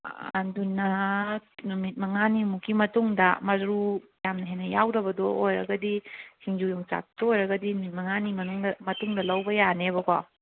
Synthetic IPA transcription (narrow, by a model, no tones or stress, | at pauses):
ɐ̰ndunɐ | numit̚mɐŋanimukimɐtuŋdɐ̰mɐzɾujamnɐɦenɐjawɾɐbɐdoojɾɐ̰ɡɐdisiŋd͡ʒujoŋt͡ʃa̰k̚toojɾɐɡɐdinumit̚mɐŋanimɐnuŋdɐmɐtuŋdɐlɐwbɐjaneβɐka